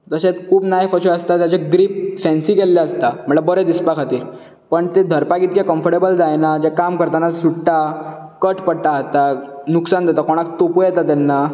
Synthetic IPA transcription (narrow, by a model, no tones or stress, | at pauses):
d͡zəɕet̪kʰuːpnaɦjfəɕəəst̪at̪jat͡ɕeɡɾiːp̚fɛ̃nsiːkelːaəst̪am̤əɳɭabəɾəd̪ispakʰat̪iːɾ | pəɳt̪ed̪ʱəɾpaɡit̪̚kakəmfəɾɽʈebəld͡zajnad͡ʑɛkamkəɾt̪anasuʈʈa | kəʈpəɽʈaɦt̪anuksand̪ʱet̪akoɽ̃ak̚t̪opujɛt̪at̪anːa